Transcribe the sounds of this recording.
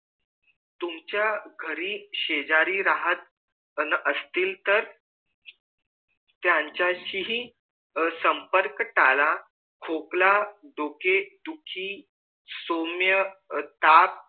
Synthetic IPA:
t̪umt͡ɕjaɡʱəɾiːɕed͡ʑaɾiːɾaɦət̪̚ | nʔəst̪iːlt̪əɾ | t̪jãɲt͡ɕjaɕiɦi | səmpəɾkʈala | kʰoklad̪oked̪ukʰiː | somjət̪ap̚

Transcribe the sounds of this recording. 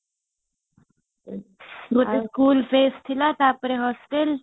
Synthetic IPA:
ɡot̪eskuːlfeːst̪ʰilat̪aːpɾeɦɔsʈel

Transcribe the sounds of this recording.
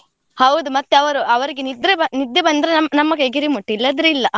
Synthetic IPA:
hɐwud̪umɐt̪ːeɐʋɐɾuɐʋɐɾiɡenid̪ɾebɐnid̪ːebɐnd̪ɐɾenɐmnɐmːɐɡeɡiɾimuʈːilːɐd̪ɾuilːɐ

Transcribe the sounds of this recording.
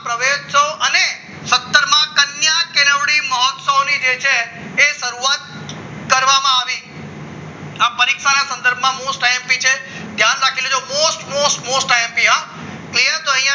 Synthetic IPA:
pɾəʋeʃsoʔəne | sət̪ːəɾmãkənjakenəʋɽiməɦɔt̪səʋnid͡ʒet͡ʃʰeː | ʃəɾuat̪̚ | kəɾʋamãaʋi | apəɾikʃanasə̃nd̪əɾbʱmãmosʈaɛmpit͡ʃʰe | t̪jãnɾakʰiled͡ʒomosʈmosʈmosʈaẽmpiɦã | klijəɾt̪oəɦĩjã

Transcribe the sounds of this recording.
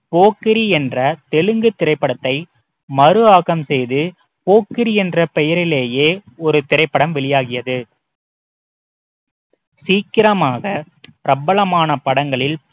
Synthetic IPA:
poːkɪɾiɛndrɐt̪ɛɭɯŋɡɯt̪ːɪɾɐɪpːɐɽɐt̪ːɐɪ | mɐɾɯaːɣɐmsɛjðɯ | poːkːɪɾiɛndrɐpɛjɐɾɪleːjeːɔɾɯt̪ɪɾɐɪpːɐɽɐmʋɛɭɪjaːɣɪjɐðɯ | siːkɪɾɐmaːɣɐ | pɪɾɐbɐɭɐmaːnɐpɐɽɐŋɡɐɭɪl

